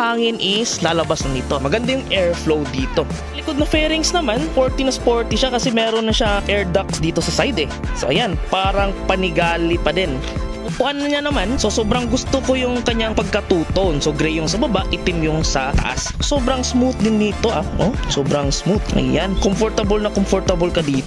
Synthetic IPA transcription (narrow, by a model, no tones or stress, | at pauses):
haːŋɪnʔɪslaːlɐbasɐniːt̪o̞mɐɡɐnd̪ajʊŋʔɛɹflowd̪iːt̪o̞ | lɪkod̪̚nɐfɛːɾɪŋsnɐmanfoɹt̪inɐspoɹt̪ɪʃakɐsɛmɛːɾonːɐʃaʔɛɹd̪ak̚sd̪iːt̪o̞sɐsajd̪ɛ | sɐʔɐjanpaːɾɐŋpɐnɪɡaːlɪpɐd̪ɛn | ɐpʊʔanːɐɲanɐmanso̞soːbɾɐŋɡʊst̪okojʊŋkɐɲːaŋpɐɡ̚kɐt̪uːt̪onsoɡɾɛjʊŋsɐbɐbaʔɪt̪ɪmjʊŋsɐt̪ɐ̰ʔa̰sso̞ːbɾɐŋsmut̪̚d̪ɪnd̪iːt̪o̞ʔaʔo̰soːbɾɐŋsmut̪ʔɐ̰jjankomfoɹɾt̪ɐbolnɐkomfoɹt̪ɐbolkɐd̪iːt̪